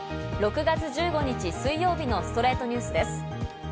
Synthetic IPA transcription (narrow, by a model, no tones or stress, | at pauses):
ɾo̞kɯ̟ɡat͡sɨʑɨːɡo̞ɲ̟it͡ɕisɨijo̞ːbʲino̞sɨ̥t̪o̞ɾe̞ːt̪o̞ɲ̟ɨːsɨd̪esɨ̥